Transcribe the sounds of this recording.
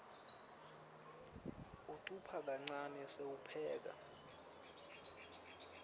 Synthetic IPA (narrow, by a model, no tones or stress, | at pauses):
uǀupʰak̬aŋ͡ǀanɛseupʰɛːk̬a̰